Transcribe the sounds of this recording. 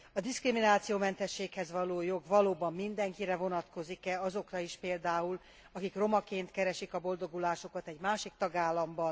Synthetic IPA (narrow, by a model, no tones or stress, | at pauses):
ɒd̪iskriminaːt̪sijoːmɛnt̪ɛʃːeːkhɛzʋɒloːjo̞ɡvɒloːbɒmːind̪ɛŋkiɾɛvo̞nɒt̪ko̞zikɛɒzo̞krɒiʃpeːld̪aːul | ɒkikro̞mɒkeːnt̪kɛɾɛʃikɒbo̞ld̪o̞ɡulaːʃo̞kɒt̪ɛɟmaːʃik̚t̪ɒɡaːlːɒmbɒn